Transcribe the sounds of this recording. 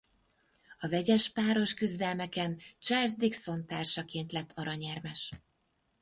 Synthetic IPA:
ɒvɛɟɛʃpaːɾo̞ʃkyzd̪ɛlmɛkɛnt͡ʃalzd̪ikso̞nt̪aːrʃɒkeːnt̪lɛt̪ʰːɒɾɒɲɛrmɛʃ

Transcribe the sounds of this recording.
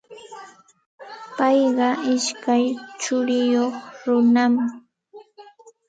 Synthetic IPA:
pɑjɢɑɪʃkajt͡ʃʊɾɪjoχɾʊnam

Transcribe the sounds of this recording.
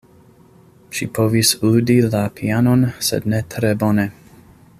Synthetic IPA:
ʃḭpʰo̞visudilapʰianonsednetʰɾebo̞ne

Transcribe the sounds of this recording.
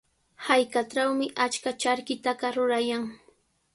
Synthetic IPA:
hajkaʈ͡ʂawmɪʔat͡ʃkat͡ʃaɾkɪt̪aɢɑɾʊɾajaŋ

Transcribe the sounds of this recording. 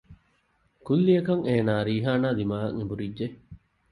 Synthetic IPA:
kulːiɐkɐŋeːnaːɾiːɦaːnaːd̪imaːɐ̰ŋebuɾidːe

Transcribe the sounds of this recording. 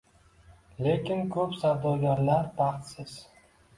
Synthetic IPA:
le̞kʲɪnkʰɵpsaɾd̪ɒɡʲanlaɾpʰɑqt̪sɪz̥

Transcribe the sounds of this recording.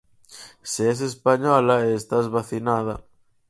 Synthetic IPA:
seɛs̬espaɲɔlaeːst̪azβaθinaðɐ

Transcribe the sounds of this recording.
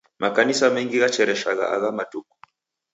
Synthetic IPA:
makanisamɛŋɡiɣat͡ʃɛɾɛʃaɣa̰ʔaɣamatuku̥

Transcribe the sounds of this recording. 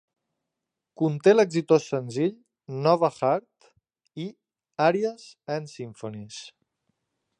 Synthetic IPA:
kunt̪eləɡzit̪osənziʎ | nɔβəxaɾt̪ | i | aɾiəzənsiɱfonis

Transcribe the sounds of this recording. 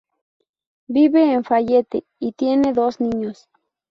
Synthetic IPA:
biβeːɱfaʝet̪e | it̪je̞ne̞ðosniɲos

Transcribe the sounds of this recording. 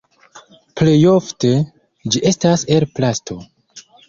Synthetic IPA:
plejofte̞ | d͡ʒiʔe̞stase̞lplastʰo̞

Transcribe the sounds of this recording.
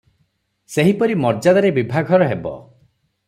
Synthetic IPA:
seɦipɔɾimɔɾd͡ʒad̪aɾebibʱaɡʱɔɾɔɦebɔ̰

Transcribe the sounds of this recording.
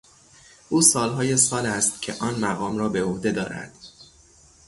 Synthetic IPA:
ʔuːsɒːlɦɒːje̞sɒːlæst̪cʲʰe̞ʔɒːnmæɣɒːmɾɒːbeohd̪e̞d̪ɒːɾæ̰d̪̥

